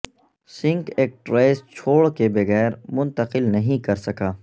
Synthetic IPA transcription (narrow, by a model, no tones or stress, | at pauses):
sɪ̃ŋkeːk̚ʈɾeːst͡ʃʰoːɭkebɐɣɛːɾmʊ̃nt̪əqɪlnɐɦĩkɐɾsɐkaː